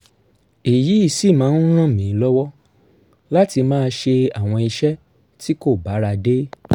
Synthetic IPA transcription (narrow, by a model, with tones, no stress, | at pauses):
i˨ji˨˦i˦˧˨si˦˨mãː˨˦n̩˦ɾ̃ã˦˨mĩ˨˦lɔ˦wɔ˦ | la˦ti˧mãː˦˧ʃe˧a˨w̃ɔ̃˧i˧ʃɛ˦ | ti˦ko˦˨ba˨˦ɾa˧de˦